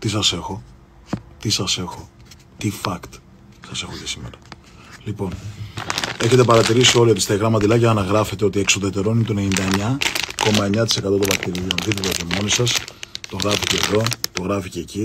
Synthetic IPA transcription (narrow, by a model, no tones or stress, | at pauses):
t̪isɐse̞xo̞ | t̪isɐse̞xo̞ | t̪ifɐkt̪ | sɐse̞xocesime̞̰ɾɐ | lipo̞n | e̞çe̞t̪e̞pɐɾɐt̪iɾisioliot̪ist̪ɐiɣɾɐmɐt̪ilɐcɐːnɐɣɾɐfe̞t̪eot̪ie̞ksoðet̪e̞ɾo̞ninet̪onenind̪ɐeɲɐko̞mɐeɲɐt̪ise̞kɐt̪o̞t̪ovɐkt̪iɾiont̪iθet̪cemo̞nisɐst̪o̞ɣɾɐficeːðo̞t̪o̞ɣɾɐfice̞ːci